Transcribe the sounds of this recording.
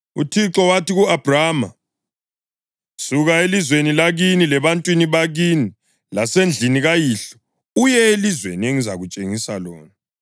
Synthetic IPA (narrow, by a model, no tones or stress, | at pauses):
ṵtʰiǁɔwatiɣuab̥ʱrama | suɣaelizwenilaɣinilɛβantʼwiniβaɣiːni | lasend͡ɮʱiniɣajiːɬɔ̥ | ujɛelizwḛnieŋizaɣut͡ʃʼeŋisa̰lɔ̰ːna